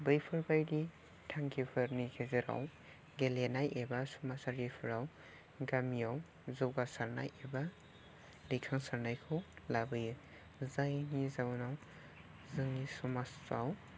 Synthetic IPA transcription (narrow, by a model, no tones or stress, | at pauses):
bɯjpʰɯɾbajdi | tʰaŋkʰipʰɯɾnikʰezeɾa̰w | ɡelenajebasumasaɾɡejpʰɯɾaw | ɡamijaw | zowɡasaɾna̰jeba | lijkʰaŋsaɾnajkʰɯwlabɯj | zajnizawnaw | zɯŋisɔmassaw